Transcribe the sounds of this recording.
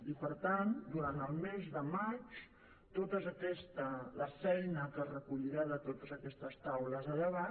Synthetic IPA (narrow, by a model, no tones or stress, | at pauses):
ipəɾt̪and̪uɾant̪əlˠmezðəmat͡ʃ | t̪ot̪əzəkɛst̪ələfɛjnəkərəkuʎiɾaðət̪ot̪əzəkɛst̪əst̪awləzðəʎəβa